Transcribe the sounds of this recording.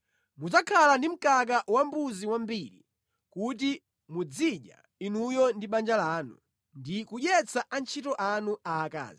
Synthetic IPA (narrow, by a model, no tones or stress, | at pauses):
muzakʰalandim̩kak̬awambuziwambiɾḭ | kut̬i | mud͡ziʄa̰ | inujɔndiɓand͡ʒalaːnṵ | ndikuʄɛt͡saʔant͡ʃʰitɔʔanuaːka̰ːzi